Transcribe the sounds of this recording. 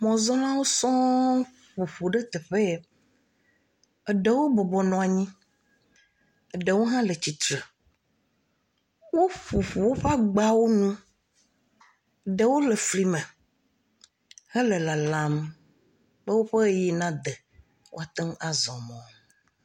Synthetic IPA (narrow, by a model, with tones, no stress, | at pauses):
mɔ̃˨zɔ̃˦lã˦wo˦sɔ̃˦ | ɸu˨ɸu˨ɖe˦t̪ɛ˨ɸe˦˨ | ɛ˨ɖe˨wo˦bɔ˨bɔ˨nɔ̃˨a˨ɲĩ˦ | ə˨ɖe˨wo˦ɦã˦le˨t͡ɕi˨t̪ɾe˨ | wo˦ɸu˨ɸu˨wo˦ɸa˦ɡ͡ba˦wo˦nũ˦˨ | ɖe˨wo˦le˨fli˨mẽ˨ | hɛ˦le˨la˨lã˨m | be˦wo˦ɸe˦je˦nã˦d̪e˨ | wo̰˦a˨t̪ɛ˦ŋ˦a˨zɔ̃˨mɔ̃˨